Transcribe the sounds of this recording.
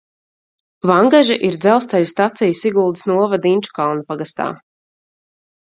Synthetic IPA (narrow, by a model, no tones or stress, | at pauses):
vaŋɡaʒiʔiɾd̪zɛlˠst̪aʎʲst̪at̪sijusiɡulˠd̪i̥snuɔvad̪inʲt͡ʃu̥kalˠnapaɡast̪a̰ː